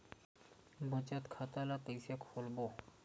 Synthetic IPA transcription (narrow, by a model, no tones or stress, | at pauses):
bɔt͡ʃat̪kʰat̪alat̪ejsiakfolbo